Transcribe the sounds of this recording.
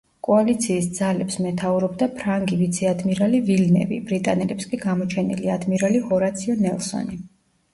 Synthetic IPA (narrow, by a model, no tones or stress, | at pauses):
kʼɔalit̪sʰiːsd̪z̥alɛpsmɛt̪ʰauɾɔbd̪apʰɾaŋɡivit̪sʰɛad̪miɾalivilnɛ̰vḭbɾit̪ʼanɛlɛpskʼiɡamɔt͡ʃʰɛnḭliad̪miɾalihɔɾat̪sʰiɔnɛlˠsɔ̰ni